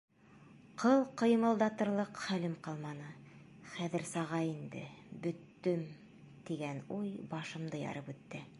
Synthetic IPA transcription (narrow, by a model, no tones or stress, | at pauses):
qʰɤlˠqɤ̆j̆mɤ̆lˠd̪ɑt̪ɤ̆ɾlˠɤqχælɘmqɑlˠmɑnɤ | χæðɘ̆ɾsɑʁɑind̪ɘ̰bɵ̆t̪ːɵm | t̪iɡænujbɑʃɤ̆md̪ɤjɑ̰ɾɤpʉt̪ːɘ